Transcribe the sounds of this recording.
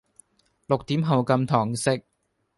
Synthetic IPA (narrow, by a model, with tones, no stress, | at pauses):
lʊ˨k̚t̪iː˨˥mɦo˨˧wkɐ˧mt̪ʰɔː˨˩ŋsɪ˥k̚